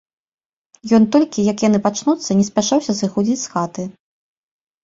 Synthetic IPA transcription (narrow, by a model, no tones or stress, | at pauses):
jɔnt̪ɔlʲkʲijɐkjanɨpat͡ʂnut̪sːɐnʲɛsʲpʲaʂawsʲɐsɨxud͡zʲit͡sʲsxat̪ɨ